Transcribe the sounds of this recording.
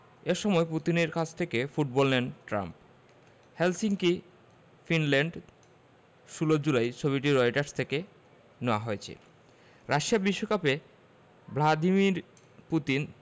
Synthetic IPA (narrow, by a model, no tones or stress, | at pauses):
eɾʃɔmɔeput̪ineɾkat͡ɕʰt̪ʰekefuʈ̚bɔlnenʈɾa̰mp | helsiŋki | finleɳɖ | ʃulod͡ʑulajt͡ɕʰoβiʈiɾɔjʈaɾst̪ʰeke | neoaɦoet͡ɕʰḛ | ɾaʃiabiʃːokape | blad̪imiɾ | put̪in